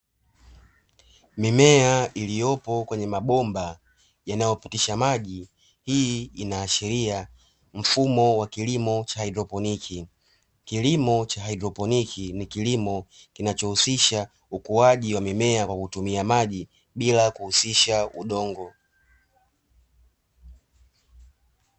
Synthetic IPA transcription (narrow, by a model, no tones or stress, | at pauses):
mimɛailijɔpɔkwɛɲɛmaɓɔmba | janajɔpitiʃamaʄi | hiinaːʃɛɾia | m̩fumɔwakilimɔt͡ʃahajdɾɔpɔnikʰi | kilimɔt͡ʃaɦaidɾɔpɔnikʰinikilimɔ | kinat͡ʃɔhusiʃa | ukuwaʄiwamimɛakwakutumiamaʄi | ɓilakuhusiʃauɗɔŋɡɔ